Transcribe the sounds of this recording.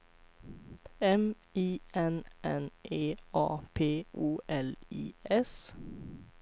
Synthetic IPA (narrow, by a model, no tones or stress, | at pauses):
ɛm | iːɛnʔɛnʔeːʔɑːpʰeːʔuːʔɛlḭːɛs